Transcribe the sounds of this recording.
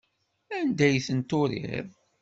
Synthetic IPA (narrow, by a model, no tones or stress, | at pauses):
ænd̪æjθənt̪ʊɾḭɾɾ